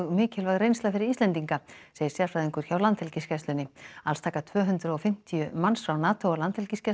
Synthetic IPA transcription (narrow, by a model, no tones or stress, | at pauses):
ɣmɪːcɪlvaɣðrejnst̪afɪɾɪɾiːst̪ɛnt̪iŋkaseːjɪ̥ɾsjaɾfɾajðɪŋkʏɾ̥çawlant̪hɛlcɪscɛst̪lʏnɪalst̪ʰaːkat̪ʰvœːɦʏnt̪ɾʏɔfɪm̥t̪ʰijʏmansfɾawnaːt̪ʰowalant̪hɛlcisca